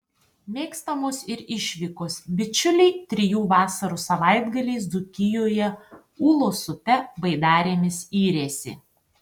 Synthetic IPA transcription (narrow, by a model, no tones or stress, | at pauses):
mʲeːkst̪ɐmoːsɪɾɪʃʲʋʲikoːsbʲɪt͡ʃʲʊlʲɛɪt̪ʲɾʲɪjuːʋɑːsɐɾuːsɐʋɐɪd̪ɡɐlʲiːs̬d̪ʊkʲɪjoːjɛ | uːlˠoːsʊpʲɛbɐɪd̪ɑːɾʲeːmʲɪsiːɾʲeːsʲɪ̰